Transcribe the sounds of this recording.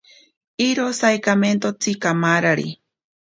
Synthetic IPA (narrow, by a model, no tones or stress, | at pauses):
iɾosajkament̪ot͡sikamaɾaɾḭ